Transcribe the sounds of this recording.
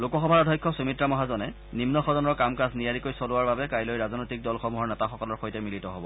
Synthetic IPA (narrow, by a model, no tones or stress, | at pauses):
lokɔxɔbʱaɹadʱɔjkʰːɔsumitɹamɔɦazɔnɛ | nimnɔxɔdɔnɔɹkamkasnijaɹikojsolʊwaɹbabɛkajlojɹazɔnojtik̚dɔlxɔmuɦɔɹnɛtaxɔkɔlɔɹxojtɛmilitɔɦobɔ̰